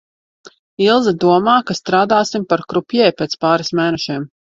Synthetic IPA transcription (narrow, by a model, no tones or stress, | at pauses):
ilˠzid̪uɔmaːkast̪ɾaːd̪aːsimpaɾkɾupʲjɛjpeːt̪spaːɾismɛːnɛʃiɛm